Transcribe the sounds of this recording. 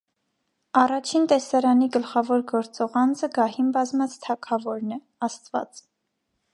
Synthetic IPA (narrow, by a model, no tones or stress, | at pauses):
ɑrɑt͡ʃʰint̪ɛsɑɾɑniɡəlχɑvɔɾɡɔɾt͡sɔʁɑnd͡zəɡɑhimbɑzmɑt͡st̪ʰɑkʰɑvɔɾnɛ | ɑst̪vɑ̰t͡s